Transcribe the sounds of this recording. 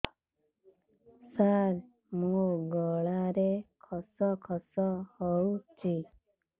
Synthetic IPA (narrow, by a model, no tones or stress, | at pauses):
saɾ | mũɡɔɭaɾekʰɔsɔkʰɔsɔhɔwt͡ʃʰi